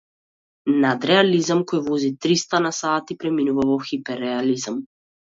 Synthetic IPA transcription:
nad̪ɾɛalizamkoɔjvɔzit̪ɾist̪anasaːt̪ipɾɛminuvavɔxipɛɾɛalizam

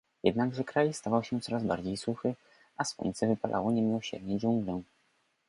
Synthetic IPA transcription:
jɛd̪naɡʐɛkɾajst̪avawɕɛt̪sɔɾazba̰ɾd͡ʑejsuxɘ | ʔaswṵɲt̪sɛvɘpalʔa̰wɔɲɛmʲɔɕɛ̰ɾɲɛd͡ʑuŋɡlɛ̃

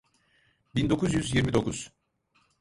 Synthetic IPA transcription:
bind̪o̞kʰuzjyzjiɾmid̪o̞kʰuz̥

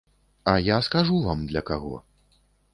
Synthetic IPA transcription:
ɐjaskaʐuvamd̪lʲɐkaɣɔ̰

